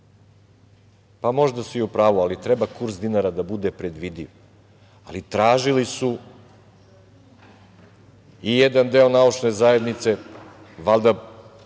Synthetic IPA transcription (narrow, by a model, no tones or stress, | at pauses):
pamo̞ʒd̪asuiupɾaːʋualit̪ɾɛbakuɾsd̪inaɾad̪abud̪epɾed̪ʋid̪iʋ | a̰lit̪ɾaːʒilisu | ijed̪and̪e̞o̞naut͡ʃne̞zae̞d̪nit̪se | ʋald̪a